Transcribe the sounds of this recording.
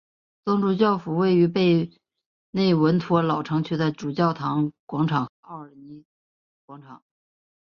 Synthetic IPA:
t͡s̪ɑ˥ŋʈ͡ʂu˥˧t͡ɕjɑ˥˩ʊfu˨˩we˥˩ɪy˧˥pe˥˧ɪ | ne˥˩ɪwə˧˥nt̪ʰwɔ˧˥lɑ˨˩ʊʈ͡ʂʰɤ˧˥ŋt͡ɕʰy˥d̪ə˧ʈ͡ʂu˨˩t͡ɕjɑ˥˩ʊt̪ʰɑ˧˥ŋkwɑ˧˥ŋʈ͡ʂʰɑ˨˩ŋxɤ˧˥˩ə˞˨˩ni˧˥ | kwɑ˧˥ŋʈ͡ʂʰɑ˨˩˦ŋ

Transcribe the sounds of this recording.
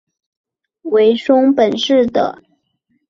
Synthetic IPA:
we˧˥ɪʂʊ˥ŋpə˨˩nʂɻ̩˥˩d̪ə̰˨˩

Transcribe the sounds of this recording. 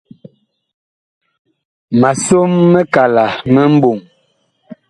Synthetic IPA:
ma˨so˦mːɛ˦ka˨la˨mɛ˦m̩˦bo˨ŋ

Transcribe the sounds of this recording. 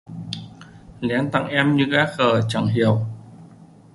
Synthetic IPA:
lɛ˨˦nt̪a̰˧˩˨ŋʔɛ˧mɲɨ˧kaː˦˥k̚xəː˨˩t͡ɕa̰˧˩ŋɦi˧˩˨əw

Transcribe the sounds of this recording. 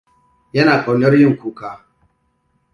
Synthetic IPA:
jɛ˦na˨kɔ˨ɲɔ˦ɾi˦i˦ŋ̩˨ku˨ka˨

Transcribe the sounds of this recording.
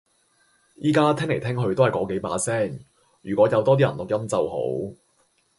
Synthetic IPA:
jʔiː˥kaː˥t̪ʰɪ˥ŋle˨˩jt̪ʰɪ˥ŋɦɵ˧ɥt̪o˥whɐ˨jkɔː˨˥ke˨˥jpa̰ː˧sɛː˥˩ŋ | jyː˨˩kʷɔː˨˥jɐ˨˧wt̪ɔː˥t̪iː˥jɐ˨˩nlʊ˨k̚jɐ˥mt͡sɐ˨who̰˨˥w

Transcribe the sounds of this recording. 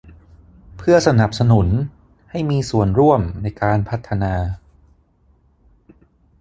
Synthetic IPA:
pʰɯ˥˩ɐsa˧na˨˩p̚sa˧nu˩˦n | ha˥˩jmiː˧su˨˩ənɾu˥˩əmna˧jkaː˧npʰa˦˥t̪ʰːa˧naː˧

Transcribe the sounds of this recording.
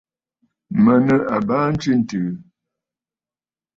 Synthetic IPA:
mə˨nə˨ʔa˨baː˦n̩˦t͡ʃi˦n̩˨tɨː˨

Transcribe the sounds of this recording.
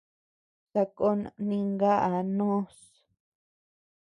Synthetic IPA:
sa˧ko˦˧nĩ˧ŋɡa˦ʔa˨nõ˦s

